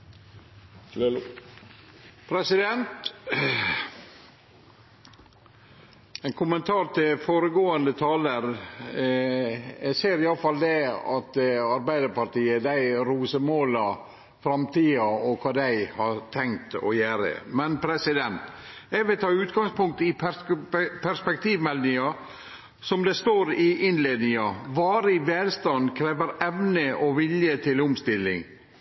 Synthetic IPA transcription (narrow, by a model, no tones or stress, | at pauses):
pʰɾɛsɪd̪ɛnt̪ | ɛɪkʰʊmənt̪ʰɑːɾt̪ɪlfoːɾəɡoːənd̪ət̪ʰɑːləɾ | ɛɡseːɾɪɑləfɑld̪ɛɑ̰t̪ɑɾbæɪd̪əɾpɑʈiːəd̪æɪɾuːsəmoːlɑ | fɾɑmt̪iːɑɔkʰɑːd̪æɪhɑɾt̪ʰɛŋt̪ɔ̰jæːɾə̰mɛnpʰɾɛsɪd̪ɛnt̪ | ɛɡʋɪlt̪ʰɑːʉːt̪ɡɑŋspʊŋk̚t̪əɪ | pʰæspɛk̚t̪iːʋmɛlnɪŋɑ | sɔmd̪ɛst̪oːɾɪʔɪnleːd̪nɪŋɑʋɑːɾɪʋeːlst̪ɑnkʰɾeːʋəɾɛʋnəʔɔʋɪljət̪ʰɪlʊmst̪ɪlːɪ̰ŋ